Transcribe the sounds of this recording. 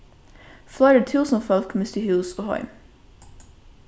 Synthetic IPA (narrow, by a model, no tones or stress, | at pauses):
flaɪɾət̪ʰuːsə̃nfɛlˠkʰmɪst̪əhʉːsoːhɑ̰ɪm